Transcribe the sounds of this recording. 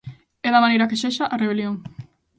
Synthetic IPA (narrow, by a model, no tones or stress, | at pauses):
ɛðamanejɾakeʃeʃaʔareβeljoŋ